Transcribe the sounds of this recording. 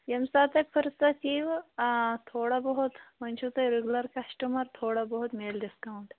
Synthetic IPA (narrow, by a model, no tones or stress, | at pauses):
jɐmsaːt̪ɐpʰəɾsat͡ɕiːʋ | t̪ʰoːɽabɐɦut̪mɐnt͡ʃʰut̪ɐjɾeɡlɐɾkasʈəmɐɾt̪ʰoːɽabɐɦut̪meːlɖiskawuɳʈ